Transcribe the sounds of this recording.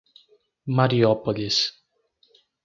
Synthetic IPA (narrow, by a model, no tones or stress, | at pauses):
maɾiɔpɔlis